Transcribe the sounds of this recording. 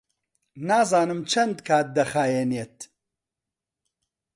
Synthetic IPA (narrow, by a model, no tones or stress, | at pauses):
naːzaːnɨmt͡ʃʰɐnd̪kʰaːt̪̚d̪ɐxaːjeneːt̪̚